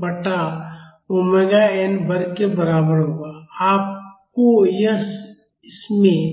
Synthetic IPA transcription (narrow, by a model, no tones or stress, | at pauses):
bəʈa | omeːɡaeːnbəɾkebəɾaːbəɾɦʊaaːp̚kojɐs | ɪsmẽ